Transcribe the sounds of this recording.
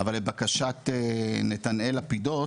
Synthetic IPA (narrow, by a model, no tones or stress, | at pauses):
avalebakaʃat̪enet̪anelapido̞t